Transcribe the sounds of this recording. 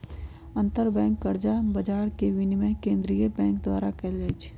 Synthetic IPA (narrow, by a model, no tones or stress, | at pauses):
ə̃nt̪əɾbɛ̃ːŋkːəɾd͡ʒabɐd͡ʒaːɾkeʋɪnmẽkẽːnd̪ɾijəbɛ̃ːŋkd̪waːɾakɛːleːd͡ʒ